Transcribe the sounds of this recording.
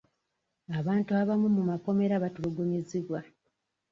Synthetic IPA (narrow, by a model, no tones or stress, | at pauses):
aβaːntuaβamumumako̞me̞ɾaβatuluɡuɲiziβwa